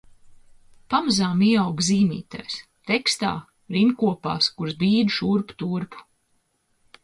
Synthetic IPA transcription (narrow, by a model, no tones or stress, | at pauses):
pamazaːmiɛawɡziːmḭːt̪a̰js | t̪ekst̪a̰ː | ɾimkuɔpa̰ːskuɾzbiːd̪ʃuɾpu̥t̪uɾpu̥